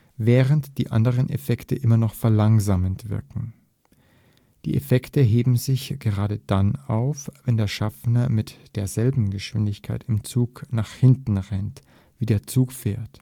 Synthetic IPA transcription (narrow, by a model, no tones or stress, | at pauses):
vɛːʁəntd̥iːʔa̰ndəʁənʔḛfɛktəʔɪmɐnɔχfɛɐlaŋzaːməntv̥ɪ̰ɐkŋ̩ | d̥ḭːʔefɛktəɦeːbm̩zɪçɡ̥əʁaːdəd̥anaʊfvɛndeːɐʃafnɐmɪtd̥eːɐzɛlbm̩ɡəʃv̥ɪndɪçkʰaɪtɪmt͡suːknaːχhɪntn̩ʁɛnt | v̥iːdeːɐt͡suːkfɛːɐt